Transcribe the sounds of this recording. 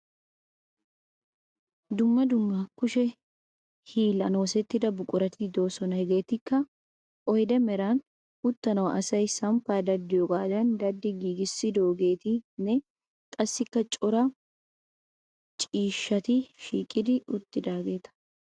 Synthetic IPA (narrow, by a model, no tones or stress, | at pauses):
d̪ʊmːɐd̪ʊmːɐkʊʃɛ | hiːlɐno̞ːsɛt̪ːɪd̪ɐbʊkʼʊɾɐt̪id̪o̞ːsɔnɐhɛɡe̞ːt̪ɪkːɐ | ʔɔjd̪ɛmɛɾaːn | ʊt̪ːɐnɐwɐʔɐsɐjsɐmfaːd̪ɐd̪ːɪjɔɡʼaːd̪ɐnd̪ɐd̪ːɪɡiːɡɪsːɪd̪oːɡe̞ːt̪ɪnɛ | kʼɐsːɪkːɐt͡ʃʼɔɾɐ | t͡ʃʼiːʃːɐt̪iʃiːkʼɪd̪ɪʊt̪ːɪd̪aːɡe̞ːt̪ɐ̥